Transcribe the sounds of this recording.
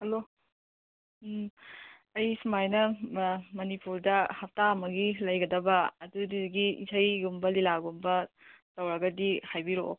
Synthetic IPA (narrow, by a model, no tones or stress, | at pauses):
hɐlo | ɐjsumajnɐ | mɐnipuɾdɐhap̚taɐmɐɡilɐjɡɐdɐbɐɐdudidɡiḭsʰɐjɡumbɐlilaɡumbɐ | tɐwɾɐɡɐdihajbiɾo̰